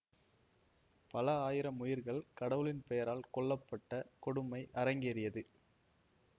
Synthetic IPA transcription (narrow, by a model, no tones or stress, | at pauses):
pɐlɐaːjɪɾɐmʊjɪɾɣɐɭkɐɽɐʋɯlɪnpɛjɐɾaːlkɔɭːɐpːɐʈːɐkɔɽɯmɐɪʔɐɾɐŋɡɪɐɾɪjɐðɯ